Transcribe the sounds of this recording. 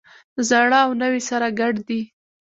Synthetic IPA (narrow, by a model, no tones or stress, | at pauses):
zaɽaːwnəwisaɾaɡaɽd̪i